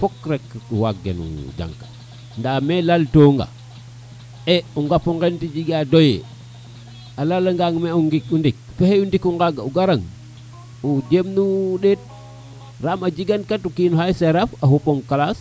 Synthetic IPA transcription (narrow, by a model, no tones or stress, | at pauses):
fokɾekṵwak̚ɡḛnṵd͡ʒa̰ŋkḁ | ndamelaltoŋɡa̰ | euŋɡafuŋɡentid͡ʒiɡadojḛ | alalaŋɡaŋmeuŋɡikundik̚feheundikuŋɡaɡauɡaɾaŋ | ud͡ʒemnuɗet̚ | ɾamad͡ʒiɡankatukinuhajseɾafaɦupoŋkalas